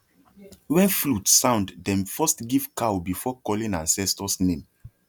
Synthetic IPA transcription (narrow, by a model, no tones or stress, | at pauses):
wɛ̃flutsãʊ̃nddɛ̃mfɜstɡivkawbifɔkɔlĩŋã̰nsɛstɔsnẽm